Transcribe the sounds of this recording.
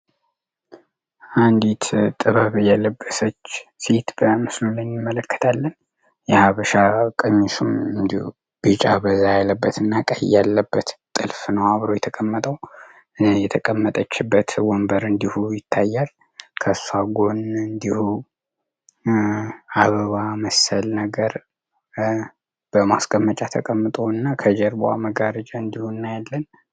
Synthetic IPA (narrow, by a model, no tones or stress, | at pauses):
ʔand̪it̪ʰt̪ʼɨβəβɨjaləbːəsət͡ʃːse̞t̪bəmɨslunɨɪmːələkːə̥t̪ʰalːən | jɛhaβəʃakʼɨɲːisumɨnd̪ihu | b̥ɨt͡ʃʼabəzːajalːəbːət̪ʰɨnːakʼajalːəbːət̪t̪ʼɨlfnəwaβɾo̞jɛt̪ʰəkʼəmːət̪ʼəw | jɛt̪ʰəkʼəmːət̪ʼət͡ʃːɪbːət̪wɔmbəɾɨnd̪ihujɪt̪ʰːajːal | kʰəsaɡo̞nɨnd̪ihu | aβəβaməsəlnəɡəɾ | b̥əmasɡəmːət͡ʃʼat̪ʰəkʼəmːɨt̪ʼoɨnːakʰəd͡ʒɛɾboa̰məɡaɾət͡ʃʼaɨnd̪ihunːajɛlːən